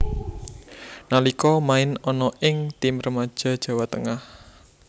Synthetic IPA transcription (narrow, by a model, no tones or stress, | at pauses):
nalikɔmaɪnɔnɔʔɪŋt̪imrəmad̥ʒ̥a̤d̥ʒ̥ä̤wat̪əŋah